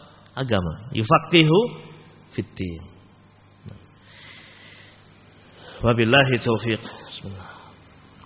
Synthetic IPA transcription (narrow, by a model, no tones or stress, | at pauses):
ʔaɡama̰jufaqiɦu | fit̪ːin | na̰m | wabilaɦit̪owfiqsmana